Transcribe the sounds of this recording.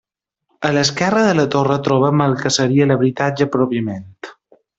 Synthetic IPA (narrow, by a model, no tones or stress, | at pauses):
ələskɛrəðələt̪orət̪ɾɔβ̞əməlˠkəsəɾiələβɾit̪ad͡ʒəpɾɔpiəment̪